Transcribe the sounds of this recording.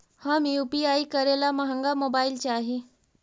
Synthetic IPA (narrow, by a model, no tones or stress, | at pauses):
hamiupiaikəɾelaməɦəŋɡamobailt͡ɕeaːɦi